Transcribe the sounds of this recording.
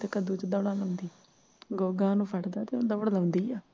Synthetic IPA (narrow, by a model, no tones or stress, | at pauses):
t̪ekəd̪ũːt͡ʃəd̪əːɽaːləʊnd̪iː | ɡoːɡãːnũːpʰəʈd̪aːt̪eːd̪əːɽləʊ̃nd̪iːɛː